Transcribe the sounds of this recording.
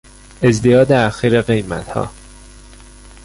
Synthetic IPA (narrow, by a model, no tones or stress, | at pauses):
e̞zd̪ijɒːd̪eæxiːɾeɣe̞jmæ̰t̪hɒ̰ː